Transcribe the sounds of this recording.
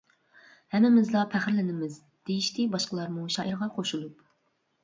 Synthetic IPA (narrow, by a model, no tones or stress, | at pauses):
hɛmːɪmɪzlˠɑpʰæχɾlɪnɪmɪz | d̪̥ejiʃt̪ɪbɑʃqəlˠɑɾmuʃɑːʔiɾʁɑqʰoʃulˠup̚